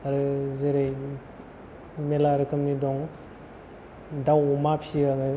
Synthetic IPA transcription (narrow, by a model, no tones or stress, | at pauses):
aɾɯzeɾej | melaɾɯkʰɯmnidɔŋ | dawɔmapʰiɡaŋɯ